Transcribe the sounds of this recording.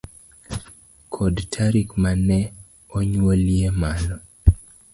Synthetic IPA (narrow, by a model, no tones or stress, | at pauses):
kʰɔdtʰaɾikmanɛ | ɔɲwoljemalɔ